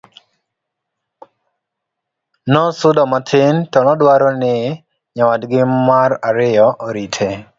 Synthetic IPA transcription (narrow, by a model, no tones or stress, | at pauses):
nɔsʊdɔmatʰɪntɔnɔdwaɾɔnɪ | ɲawadɡɪmaraɾɪɔʔoɾitʰe